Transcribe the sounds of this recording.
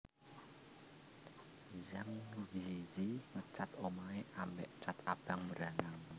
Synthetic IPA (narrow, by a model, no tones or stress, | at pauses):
zaŋd͡ʒiziŋət͡ʃat̪omaeʔambɛ̰ʔt͡ʃat̪ab̥aŋməɾanaŋ